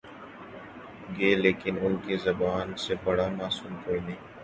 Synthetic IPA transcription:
ɡeːleːkɪnʊnkezɐbaːnsebɐɽamaːsuːmk̪ʰoːinẽː

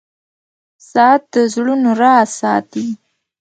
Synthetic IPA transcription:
sɑt̪̚d̪əzɽunoɾɑsɑt̪i

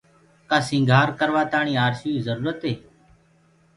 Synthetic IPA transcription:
kaːsĩːŋɡʱaːɾkəɾʋaːt̪aːɳiːaːɾsiːiːzəɾuːɾət̪eː

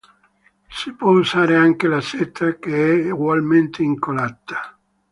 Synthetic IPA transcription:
sipwɔuzaːɾeaŋkelaset̪ʰːakeɛɡwalment̪ʰeiŋkolat̪ːḁ

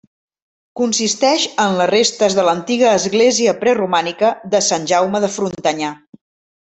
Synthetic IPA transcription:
kunsist̪ɛʃənlərest̪əzðələnt̪iɣəːzɣleziəpɾɛrumanikəðəsanʲʒawməðəfɾunt̪əɲa

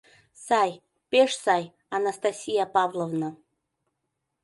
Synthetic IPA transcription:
saj | pʲeʂsaj | anast̪asʲijapavlˠovnə

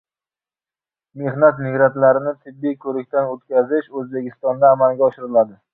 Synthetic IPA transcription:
me̞hnat̪mɪɡɾant̪laɾɪnɪt̪ʰɪbːijkʰɵɾɪk̚ʲt̪anɵt̪kʲʰazɪʃɵzbe̞kʲʰɪst̪ɒnd̪aːmalˠɡʲaɒʃɪɾɪlad̪ɪ

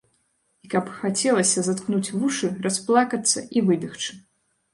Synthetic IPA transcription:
ikɐpxat͡sʲɛlˠɐsʲɐzat̪knut͡sʲvuʂɨrasplˠakɐt̪sːɐ̰ivɨd̪ɨxt͡ʂɨ̥

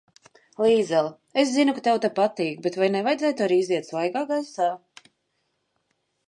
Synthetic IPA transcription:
lˠiːd̪zɛlˠ | es̬zinukat̪ɛwt̪apat̪iːk̚bet̪vajnɛvajdzæːt̪uaɾiːiziɛt̪svˠajɡaːɡasaː

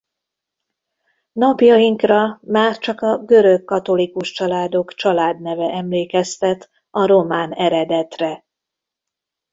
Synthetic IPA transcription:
nɒpjɒiŋkrɒmaːrt͡ʃɒkɒɡø̞ɾø̞kːɒt̪o̞likuʃt͡ʃɒlaːd̪o̞kt͡ʃɒlaːd̪nɛvɛʔɛmleːkɛst̪ɛt̪ | ɒɾo̞maːnɛɾɛd̪ɛt̪rɛ

